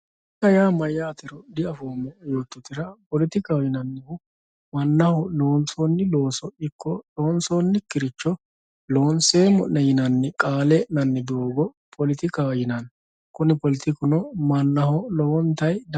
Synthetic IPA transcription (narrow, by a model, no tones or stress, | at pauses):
k̪ːɐjaːmɐjːaːt̪ɪɾɔd̪ɪɐfoːmːɔjo̞ːt̪ːɔt̪ɪɾɐpɔlɪt̪ɪkawjɪnɐnːɪhʊ | mɐnːɐhʊloːnsɔnːɪlo̞ːsɔɪkːɔloːnsoːnːɪkːɪɾɪt͡ʃːɔ | lo̞ːnseːmɔnnːɛjɪnɐnːɪkʼaːlɛnɐnːɪbɪoːɡɔ | pʰɔlɪt̪ɪkawjɪnɐn | kʊnɪpɔlɪt̪ɪkʊnɔmɐnːɐɦɔlɔwɔnt̪ːɐjd̪